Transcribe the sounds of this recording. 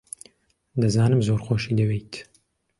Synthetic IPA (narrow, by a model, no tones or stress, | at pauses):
d̪ɐzaːnɨmzoːɾxoːʃiːd̪ɐwejt̪ʰ